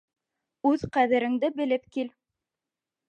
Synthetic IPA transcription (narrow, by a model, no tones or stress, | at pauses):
ʉðqæðɘ̆ɾɘ̆ŋd̪ɘbɘ̆lɘpkil